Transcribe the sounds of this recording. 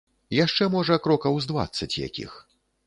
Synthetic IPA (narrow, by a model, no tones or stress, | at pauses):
jaʂt͡ʂɛmɔʐɐkɾɔkɐwzd̪va̰t̪sːɐt͡sʲja̰kʲḭx